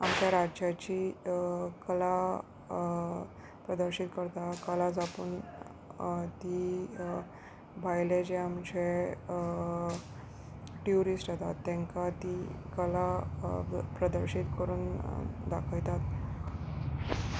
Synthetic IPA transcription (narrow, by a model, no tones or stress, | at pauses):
amt͡ɕjaɾajat͡ɕi | kəla | pɾəd̪əɾɕit̪̚kəɾt̪akəlad͡zapə̰n | t̪i | bʱajled͡ʑeamt͡ɕe | ʈjuɾisʈjat̪at̪ːɛ̃ŋkat̪ikəla | pɾəd̪əɾɕit̪kəɾuːnd̪akʰəjt̪at̪̚